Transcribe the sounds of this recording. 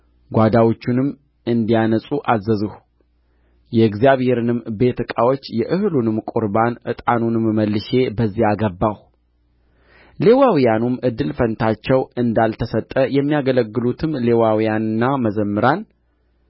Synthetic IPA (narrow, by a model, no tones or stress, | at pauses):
ɡʷad̪awot͡ʃːunɨmː | ɨnd̪ijanəsʼuʔazːəzɨh | jɛɨɡzijaβhe̞ɾɨnɨmbe̞t̪ʰɨkʼawo̞t͡ʃːjɛʔɨhlunɨmkʼuɾbanʔɨt̪ʼanunɨmməlːɨʃe̞bəzːijaɡəbːaw | le̞wawijanumʔɨd̪ːɨlfənt̪ʰat͡ʃːɛwɨnd̪alt̪ʰəsət̪ʼːəjɛmːijaɡələɡːɨlut̪ʰɨmle̞wawijanɨnːaməzəmːɨɾan